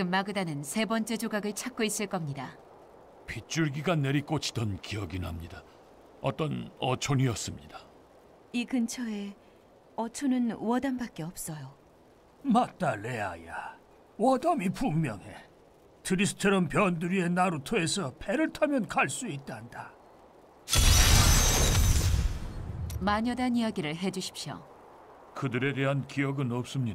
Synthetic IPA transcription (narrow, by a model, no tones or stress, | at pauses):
t͡ɕɡɯmːaɡɯdanɯnsʰe̞bʌnt͡ɕ͈e̞d͡ʑoɡaɡɯɭt͡ɕʰak͈̚uis͈ɯɭk͈ʌmɲida | pʰit͡ɕ͈uɭɡiɡanːe̞ɾik͈ot͡ɕʰi̥d̥ʌnkiʌɡinɦamɲida | ʌt͈ʌnʌt͡ɕʰoɲiʌs͈ɯmɲida | ikɯnt͡ɕʰʌe̞ | ʌt͡ɕʰonɯnwʌdambak͈e̞ʌp̚s͈ʌjo | mat͈alea̰ja | wʌdʌmipumːjʌŋɦe̞̰ | tʰɯɾisʰɯ̥t͡ɕʰʌɾʌmpjʌnduɾie̞naɾotʰoe̞sʰʌpʰeɾɯɭtʰamjʌnkaɭs͈uit̚t͈anda | maɲʌdanijaɡiɾɯɭɦe̞d͡ʑuɕʰi̥p̚ɕjo̰ | kɯdɯɾe̞de̞ɦankiʌɡɯnʌp̚s͈ɯmɲida